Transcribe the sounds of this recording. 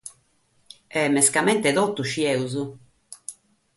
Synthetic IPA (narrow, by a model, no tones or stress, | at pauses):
ɛmɛskamɛnt̪ɛðɔt̪ːuʃiɛuzu